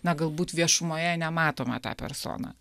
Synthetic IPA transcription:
nɐɡɐlˠbuːt̪ʋʲiɛʃʊmoːjɛnʲɛmɑːt̪oːmɐ̰t̪ɑ̰ːpʲɛ̰ɾso̰ːnɑ̰ː

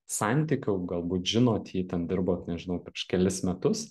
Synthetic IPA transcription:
sɑnʲt̪ʲikʲʊʊɡɐlˠbuːt̪ʒʲɪnoːt̪jiːt̪ʲɛnd̪ʲɪɾboːt̪nʲɛʒʲɪnɐʊpʲɾʲɪɛʃkʲɛlʲɪsmʲɛt̪ʊs

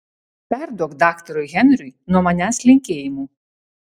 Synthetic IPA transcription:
pʲɛɾd̪ɔkd̪ɑkt̪ɔɾʊjɣʲɛnɾʲʊjnɔmɐnʲæslʲɪŋʲkʲejɪmu

